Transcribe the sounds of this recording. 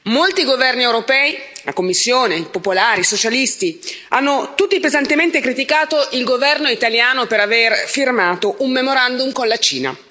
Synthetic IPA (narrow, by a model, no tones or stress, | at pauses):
molt̪iɡovɛrniewɾopɛːilakomːisːjoːnepopolaːɾisot͡ʃalist̪ianːot̪ut̪ːipezant̪ement̪ekɾit̪ikaːt̪oʔilɡovɛrnoit̪aljaːnopeɾaverfirmaːt̪oʔumːemoɾand̪umkonlat͡ʃḭːna̰